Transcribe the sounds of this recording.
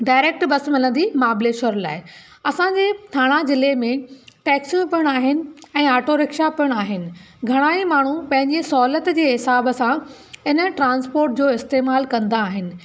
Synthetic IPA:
ɖaːɪɾeːk̚ʈbɐsmɪlə̃nd̪imaːbleːʃəɾla̰ːɪ | ɐsãɲd͡ʑeːt̪ʰaːɽ̃ad͡ʑɪlemẽʈɛːksjũpɪɽ̃aːɦɪnɪ̆ɛ̃ːaːʈoɾɪkʃapɪəɽ̃aːɦɪnɪ̆ | ɡʱɐɽ̃aːimaːɳ̤upɐ̃ɦɪ̃ɲd͡ʑesɔːlət̪d͡ʑeːɦɪsaːbəsã | ɪnəʈɾãːnspoːɾʈ̚d͡ʑoːɪst̪eːmaːlkɐ̃nd̪aːɦɪnɪ̆

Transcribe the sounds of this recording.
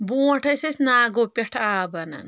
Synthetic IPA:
buːʈʰɐsɐsʲnaːɡopʲeʈʰaːbɐnɐ̰n

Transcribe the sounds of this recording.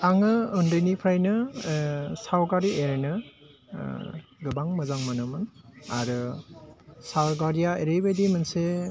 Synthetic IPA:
aŋɯɯndɯnipʰɾajnɯ | sawɡaɾiʔeɾnɯ | ɡɯbaŋmɯzaŋmanɯmɯnaɾɯ | sawɡaɾijaeɾebedimɯnse

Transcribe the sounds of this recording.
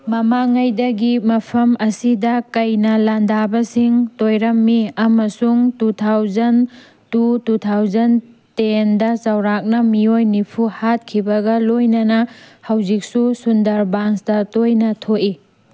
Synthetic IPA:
mɐmaŋɐjdɐɡimɐpʰɐmɐsidɐkɐjnɐlandabɐsiŋtojɾɐmːiɐmɐsuŋtutʰawzɐn | tututʰawzɐntendɐt͡ʃɐwɾak̚nɐmiojnipʰuhat̚kʰibɐɡɐlojnɐnɐhɐwzik̚susundɐɾbansdɐtojnɐtʰoʔi

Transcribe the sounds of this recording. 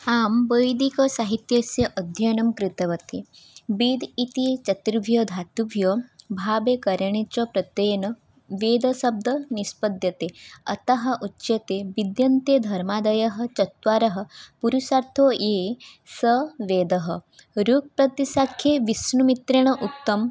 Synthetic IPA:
aːmbəjd̪ikɐsaːɦit̪jɐsjɐʔɐd̪ʱjɐnɐmkɾɪt̪ɐʋɐt̪i | bid̪it̪it͡ʃɐt̪ɾiʋʱjɐd̪ʱaːt̪ubʱjɐbʱaːbeːkɐɾɐɳ̃et͡ʃɐpɾɐt̪ɐjɐnɐ | ʋeːd̪ɐsɐb̚d̪ɐnispɐd̪jɐt̪eːɐ̰t̪ɐɦɐ̆ʔutːʃɐt̪eːʋid̪jɐnt̪ed̪ʱɐɾmaːd̪ɐjɐɦɐ̆t͡ʃɐt̪ʋaːɾɐɦɐ̆puɾusaɾt̪ʰoːjeː | sɐʋeːd̪ɐɦɐ̆ɾuːk̚pɾɐt̪isakʰːjeʋisnumit̪ɾɐɳ̃ɐʔut̪ːɐm

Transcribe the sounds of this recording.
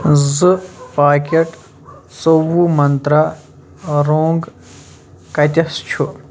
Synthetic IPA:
zɨpaːkʲɐʈ | sowumɐnt̪ɾaː | ɾoːŋɡ | kɐt̪ʲɐst͡ʃʰu

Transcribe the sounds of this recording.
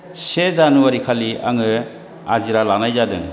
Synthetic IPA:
sezanuwaɾikʰalia̰ŋɯ | aziɾalanajzadɯ̰ŋ

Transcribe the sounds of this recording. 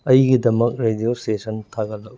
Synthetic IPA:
ɐjɡidɐmɐk̚ɾediostesɐntʰaɡɐlːɐk̚

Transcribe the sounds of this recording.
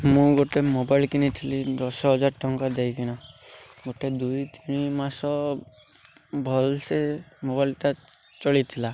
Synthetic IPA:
mũɡoʈemobajlkinit̪ʰilid̪ɔsɔɦɔd͡ʒaɾʈɔŋkad̪ejkiñaɡoʈed̪ujt̪iɽ̃imasɔ | bʱɔlsemobajlʈa | t͡ʃɔɭit̪ʰila

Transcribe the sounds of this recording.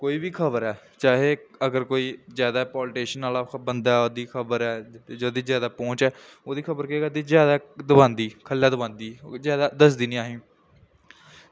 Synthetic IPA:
koːiːbiːkʰəβəɾɛːt͡ʃaːɦeːəɡəɾkoːiːzjaːd̪aːpɔːlʈeːʃənaːlaːbənd̪aːɛoːd̪iːkʰəbəɾɛːd͡ʒoːd̪iːzjaːd̪aːpõːt͡ʃɛːoːd̪iːkʰəbəɾkeːɡəd̪iːzjaːd̪aːd̪ʊbãːnd̪iːkʰəlːaːd̪əbãːnd̪iːzjaːd̪aːd̪əsd̪iːnĩːaːɦĩː

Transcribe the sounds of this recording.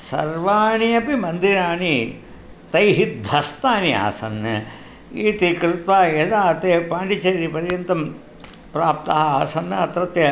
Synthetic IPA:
sɐ̰ɾʋaːɳiɐpimɐnd̪iɾaːɳi | t̪ɐjɦit̪̚d̪ʱɐst̪aːnia̰ːsɐ̰nːɐ | iːt̪ikɾɪt̪ʋaːjed̪aːt̪eːpaːɳʈit͡ʃɐɾipɐɾjɐnt̪ɐm | pɾaːp̚t̪ɐɦɐaːsɐnːɐt̪ɾɐt̪jɐ

